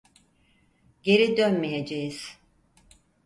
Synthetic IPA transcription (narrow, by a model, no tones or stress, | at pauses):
ɟe̞ɾid̪ønmejed͡ʒejiz̥